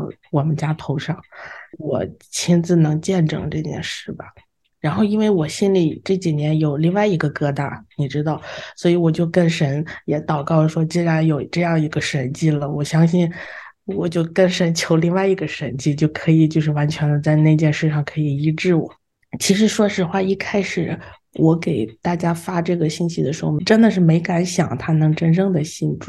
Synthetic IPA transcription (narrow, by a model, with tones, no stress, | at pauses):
wɔ˨˩mə˦nt͡ɕja˥t̪ʰo˧˥ʊʂɑ˥˩ŋwɔ̰˨˩t͡ɕʰi˥nt͡sɹ̩˥˩nɤ˧˥ŋt͡ɕjɛ˥˩nʈ͡ʂɤ̰˨˩ŋʈ͡ʂɤ˥˧t͡ɕjɛ̰˥˧nʂɻ̩˥˩bɐ̰˩ | ɻa˧˥nxo˥˧ʊi˥nwe˥˩ɪwɔ˨˩ɕi˥nli˨˩ʈ͡ʂɤ˥˩t͡ɕi˨˩njɛ˧˥njo˨˩ʊli˥˧ŋwa˥˩ɪi˧˥ɡə˧kɤ˥˧t̪a̰˥˩ni˨˩ʈ͡ʂɻ̩˥t̪ɑ˥˩ʊswɔ˧˥i˧˥wɔ˨˩t͡ɕjo˥˧ʊkə˥nʂə˧˥njɛ˨˧˥t̪ɑ˨˩ʊkɑ˥˩ʊə˩ʂwɔ˥t͡ɕi˥ɻa˧˥njo˨˩ʊʈ͡ʂɤ˥˧jɑ˥˩ŋ˩i˧˥ɡə˧ʂə˧˥nt͡ɕi˥˩lə˩wɔ˨˩ɕjɑ˥ŋɕi˥˩n | wɔ˨˩t͡ɕjo˥˧ʊkə˥˩nʂə˧˥nt͡ɕʰjo˧˥ʊli˥˧ŋwa˥˩ɪi˧˥ɡə˧ʂə˧˥nt͡ɕi˥˧t͡ɕjo˥˩ʊkʰɤ˧˥i˨˩t͡ɕjo˥˧ʊʂɻ̩˥˩wa˧˥nt͡ɕʰɥɛ˧˥nd̪ə˧t͡sa˥˧ɪne˥˩ɪ˧t͡ɕjɛ˥˧nʂɻ̩˥˧ʂɑ˥˩ŋkʰɤ˧˥i˨˩i˧˥ʈ͡ʂɻ̩˥˩wɔ̰˨˩˦ | t͡ɕʰi˧˥ʂ̬ɻ̩˧˥ʂwɔ˥ʂɻ̩˧˥xwa˥˧i˥˩kʰa˥ɪʂɻ̩˨˩˦ | wʔɔ˧˥ke˨˩ɪt̪a˥˩t͡ɕja˥fa˥ʈ͡ʂɤ˥˩ɡə˩ɕi˥˩nɕi˧˥ə˨ʂɻ̩˧˥xo˧˩ʈ͡ʂə˥nd̪ə˨ʂ̬ɻ̩˥˩me˧˥ɪka˧˥nɕjɑ̰˨˩ŋt̪ʰa˥nɤ˧˥ŋʈ͡ʂə˥nʈ͡ʂɤ˥ŋd̪ə˨ɕi˥˧nʈ͡ʂu˥˩